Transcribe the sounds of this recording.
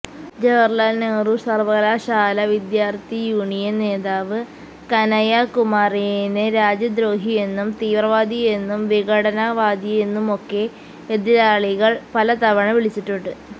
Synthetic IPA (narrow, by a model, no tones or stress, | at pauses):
d͡ʑeʋɐrlaːlneːrusɐrʋɐɣɐlaːɕaːlɐʋid̪jaːrt̪ijuːɳijɐnne̞ːðaːʋɨ | kɐnɐjɐkumaːrijenɨɾaːd͡ʑɐd̪ɾo̞ːɦije̞nːumt̪iːʋrɐʋaːd̪ʱije̞nːumʋiɣɐɽɐnɐʋaːd̪jije̞nːumo̞kːe̞ | eðiɾaːɭiɣɐɭpɐlɐt̪ɐʋɐɳɐʋiɭit͡ɕːiʈːuɳɖɨ